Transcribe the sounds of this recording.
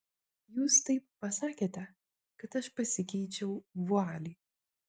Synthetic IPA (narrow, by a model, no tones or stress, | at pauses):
juːst̪ɐɪp̚ːɐsɑːkʲeːt̪ʲɛ | kɐt̪ɐʃpɐsʲɪkʲɛɪt͡ʃʲɛʊʋʊɑːlʲiː